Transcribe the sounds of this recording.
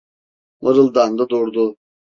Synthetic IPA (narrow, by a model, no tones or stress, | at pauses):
mɯɾɯlˠd̪and̪ad̪uɾd̪u